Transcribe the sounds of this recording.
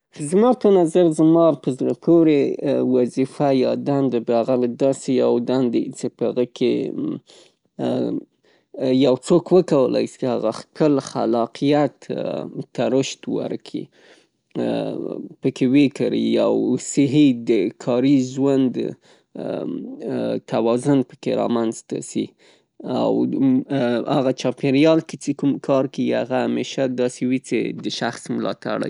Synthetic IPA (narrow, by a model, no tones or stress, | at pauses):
zmɑpənazaɾzmɑpəzɾapʰoɾewazifajɑd̪and̪əbɑɣald̪ɑsejawd̪and̪ḭt͡sepəhaɣəkʰe | jawt͡sokwəkawəla̰jst͡ʃhaɣaxkəlxa̰lɑqijat̪t̪aɾʊʃt̪wa̰ɾkʰḭ | pəkewekaɾḭjawsɪɦid̪əkʰɑɾiʒwand̪ | t̪awɑzʊnpə̥keɾɑ̰manzt̪a̰si | a̰w | aɣat͡ʃɑpeɾjɑlkit͡sekumkʰɑɾkəihaɣaameʃad̪ɑsewit͡sḛd̪əʃaxsmʊlɑ̰t̪a̰ɽa̰j